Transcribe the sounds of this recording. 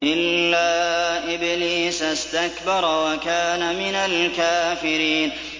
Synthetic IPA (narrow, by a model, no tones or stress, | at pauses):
ʔɪlːaːʔɪbliːsast̪akbɑɾˤwakaːnamɪnalkaːfɪɾiːn